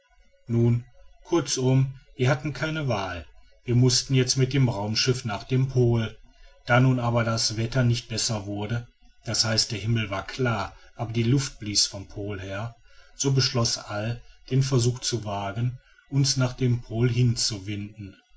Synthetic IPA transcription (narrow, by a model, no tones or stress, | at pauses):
nuːnkʰʊɐt͡sʊmviːɐhatn̩kʰaɪnəvaːl | viːɐmʊstn̩jɛt͡stmɪt̚d̥eːmʁaʊmʃɪfnaːχd̥eːmpʰoːld̥aːnuːnaːbɐdasv̥ɛtɐnɪçt̚b̥ɛsɐvʊɐdə | d̥ashaɪstd̥eːɐɦɪml̩vaːɐkʰl̥aːɐʔaːbɐdiːlʊft̚b̥liːsfɔmpʰoːlheːɐ | z̥oːbəʃlɔsʔald̥eːnfɛɐzuːxt͡suvaːɡən | ʔʊnsnaːχd̥eːmpʰoːlɦɪnt͡suvɪndn̩